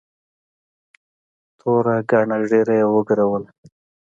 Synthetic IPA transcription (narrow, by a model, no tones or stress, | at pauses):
t̪ʰoɾaɡɑɳaɖeɾajawəɡaɾawəl